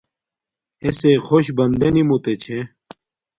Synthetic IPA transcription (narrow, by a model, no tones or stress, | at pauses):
esexoɕbɐnd̪enimut̪et͡ɕʰẽ